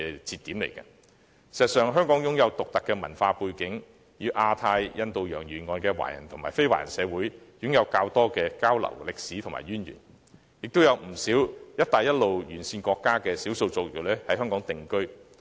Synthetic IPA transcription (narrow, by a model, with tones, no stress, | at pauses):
t͡siː˧t̪iː˨˥mlḛ˨˩jkɐ̰˧ | si˨˩sɐ˨tsœː˨ŋɦœː˥ŋkɔː˨˥ŋjʊ˨˥ŋjɐ˨˧wt̪ʊ˨k̚t̪ɐ˨kːɛː˧mɐ̰˨˩nfaː˧puː˧jkɪ˨˥ŋ | jiː˧wʔaː˧t̪ʰaː˧jjɐ˧nt̪o˧wjœ̰ː˨˩ŋjyː˨˩nŋɔː˧nkɛː˧wa̰ː˨˩jɐ̰˨˩nt̪ʰʊ˨ŋmaː˨jfe˥jwa̰ː˨˩jɐ̰˨˩nsɛː˨˧wuː˨˥jjʊ˨˥ŋjɐ˨˧wkaː˧wt̪ɔː˥kɛː˧kaː˥wlɐ̰˨˩wlɪ˨k̚siː˨˥t̪ʰma̰ː˨jyː˥njy̰ː˨˩n | jɪ˨k̚t̪o˥wjɐ˨˧wm̩˨˩siː˨˥wjɐ˥t̪̚aː˨jɐ˥t̚lo˨wjyː˨˩nsiː˧nkɔː˧kːaː˥kɛː˧siː˨˥wso˧wt͡so˧wjlɛ˥hɐ˨˥jhɦœː˥ŋkɔː˨˥ŋt̪ɪ˨ŋkɵ˥ɥ